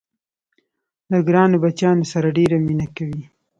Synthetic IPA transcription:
laɡɾɑnobat͡ʃjɑnosaɾaɖeɾaminakawi

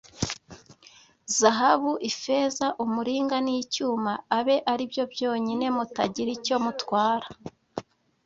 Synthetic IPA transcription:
zaɦaβuʔifezaʔumuɾiːŋɡanijcuːmaːβe̞ʔaɾibjo̞bjo̞ːɲine̞mutaɟiɾico̞mutwaːɾḁ

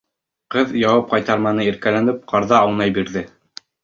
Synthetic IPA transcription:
qɤðjɑwɑp̚qɑjt̪ɑɾmɑnɤiɾkælænɘp̚qɑɾðɑːwnɑjbiɾðɘ

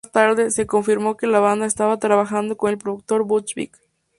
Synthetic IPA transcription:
st̪aɾðe̞se̞ko̞ɱfiɾmo̞ke̞laβand̪aest̪aβat̪ɾaβaxand̪o̞ko̞ne̞lpɾoðuk̚t̪o̞ɾbut͡ʃbḭk

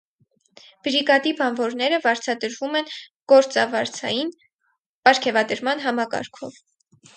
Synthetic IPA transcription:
b̥ɾiɡɑd̪ibɑnvɔɾnɛɾəvɑɾt͡sʰɑd̪əɾvumɛnɡ̥ɔɾt͡sɑvɑɾt͡sʰɑ̰jin | pɑɾkʰɛvɑd̪əɾmɑnɦɑmɑkɑ̰ɾkʰɔv

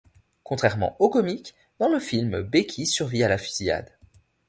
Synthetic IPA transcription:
kɔ̃t̪χɛʁmɑ̰̃okɔmik | d̪̥ɑ̃ləfilmbekʲʰisyʁvialafi̥zia̰d̪

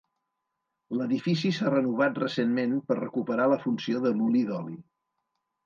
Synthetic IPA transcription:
ləðifisisarənuβ̞at̪rəsenmenpərrəkupəɾaləfunsioðəmuliðɔli

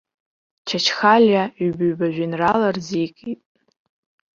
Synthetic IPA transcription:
t͡ʃʰat͡ʃʰχalʲjaɥbaɥbaʒᶣinralarzikʼitʼ

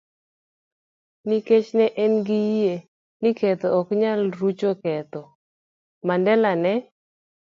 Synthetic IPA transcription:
niket͡ʃnɛʔɛnɡɪje | nɪkɛt̪ɔɔkɲalɾut͡ʃokɛt̪ɔ | mandɛlanɛ

